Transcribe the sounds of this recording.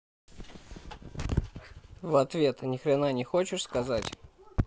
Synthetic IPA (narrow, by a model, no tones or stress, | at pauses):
vɐt̪vʲe̞t̪nʲɪxɾʲɪnanʲɪxot͡ɕɪʂskɐzatʲ